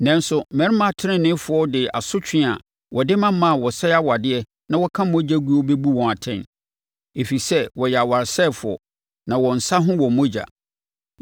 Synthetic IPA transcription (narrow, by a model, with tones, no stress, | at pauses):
nɛ̃˨nsʊ˨mɛ̃˦ɾmã˦˨tʰɪ˦ɾɪ̃˦nɪ̃˦fʊ˨˦ɔ˦dɪ˨a̰˨sʊ˦t͡ɕʰᶣɪ̃˦˨a˨ | wʔɔ˨dɪ˦mã˦m˦mã˦˨wɔ˨sɛ˦a˦wa˨dɪ˦ɛ˦ | nã˦wɔ˦kʰã˦mɔ̃˦d͡ʑa˦ɡu˦ɔ˦be˦bu˦wɔ̃˨a˨tʰɛ̃˦˨n | e˨fi˨sɛ˦wɔ˨jɛ˨a˨wa˨ɾsɛ˦˨fʊ˨ɔ̰˨ | nã˨wɔ̃˨n̩˨sa˦ɦʊ̃˦wɔ̃˨mɔ̃˦d͡ʑa̰˨